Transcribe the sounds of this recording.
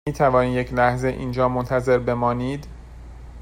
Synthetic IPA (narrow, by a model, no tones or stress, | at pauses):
iːt̪ʰævɒːniːjecʰlæhze̞ʔiːnd͡ʒɒːmont̪ʰæze̞ɾbe̞mɒːniːd̪